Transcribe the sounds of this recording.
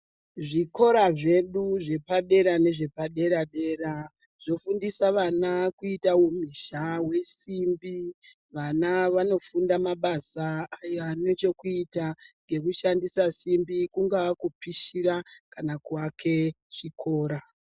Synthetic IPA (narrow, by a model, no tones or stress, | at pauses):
ʐiko̞ɾaʐe̞ɗuʐe̞paɗe̞ɾane̞ʐe̞paɗe̞ɾaɗe̞ːra | ʐ̥o̞fundisaʋanakuitaumiʃawe̞simbi | ʋanaʋano̞fundamaɓasaːjoano̞t͡ʃe̞kuitaŋɡe̞kuʃandisasimbikuŋɡaakupiʃiɾakanakwakʰe̞ | ʐ̥ikʰo̞ːɾa